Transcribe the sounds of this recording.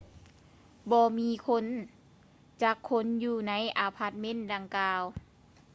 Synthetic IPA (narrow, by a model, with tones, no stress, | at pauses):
bɔː˧miː˧˥˨kʰo˧˥˨n | t͡ɕaː˧˩kʰːo˧˥˨njuː˧˩na˧˥˨jʔaː˧˩pʰa˧˥t̪̚me˧˥˨nda˧˩ŋkaː˧w